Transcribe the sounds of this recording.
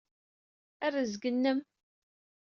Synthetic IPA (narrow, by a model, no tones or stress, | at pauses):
ærːəzɡənːəm